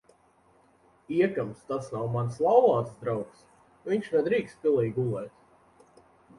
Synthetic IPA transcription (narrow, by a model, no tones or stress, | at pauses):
iɛkamst̪asnawmanslˠawlˠaːsd̪ɾawks | viɲʃnɛd̪ɾiːkst̪̚pʲilˠɛjɡulˠɛːt̪